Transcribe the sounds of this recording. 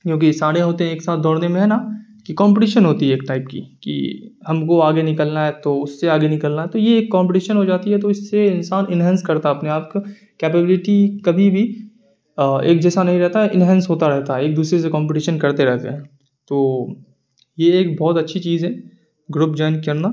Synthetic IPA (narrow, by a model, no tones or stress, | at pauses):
kjõːk̬isaːɾeɦoːt̪eɦɛ̃eːksaːt̪̚d̪ɔːɽnemẽɦɛnakikɔ̃ːmpɪʈiːʃənɦoːt̪iɦɛeːk̚ʈaɪpkḭkḭhɐmkoaːɡenɪkəlnaɦɛt̪oʊsːeaːɡenɪkəlnaɦɛt̪ojeːkːãːmpɪʈiːʃənɦod͡ʒaːt̪iɦɛt̪oɪsːeɪnsaːnɪnɦɛ̃ːnskɐɾt̪aɦɐpneaːp̚ka | keːpebɪlɪʈikɐbʱibʱi | ḛːk̚d͡ʒɛːsanɐɦĩɾɛɦt̪aɦɛʔɪnɦɛ̃ːnsɦoːt̪aɾɛɦt̪aɦɛeːk̚d̪uːsɾes̬ekɔ̃ːmpɪʈiːʃənkɐɾt̪eɾɛɦt̪ḛɦɛ̃ː | t̪oː | jeeːk̚bɔːt̪ɐtːʃʰit͡ʃiːzɦɛ̃ː | ɡɾʊːp̚d͡ʒɔːnkɐɾna